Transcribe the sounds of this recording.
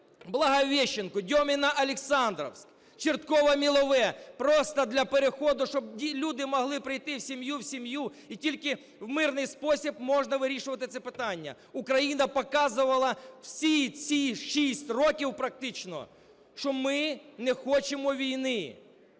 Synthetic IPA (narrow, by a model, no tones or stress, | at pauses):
blˠɐɦɐʋʲɛʃːɪnkʊdʲɔmʲɪnɐʔɐlʲɪksɑnd̪ɾɔ̰wsʲk | t͡ʃɪrt̪kɔʋɐmʲilˠɔʋɛpɾɔst̪ɐd̪lʲɐpeɾexɔd̪ʊʃt͡ʃɔb̚dʲilʲud̪ɪmɔɦlˠɪpɾɪjt̪ɪwsʲimjuwsʲimju | itʲilʲkɪ | wmɪrnɪjspɔsʲib̚mɔʒnɐʋɪɾʲiʃʊʋɐt̪ɪt̪sɛpɪt̪ɑnʲːɐ̰ | ʊkɾɐjinɐpɔkɑzʊʋɐlˠɐwsʲit͡sʲiʃisʲtʲrɔkʲiwpɾɐk̚t̪ɪt͡ʃnɔ̰ | ʃt͡ʃɔmɪnɛxɔt͡ʃemɔʋʲijnɪ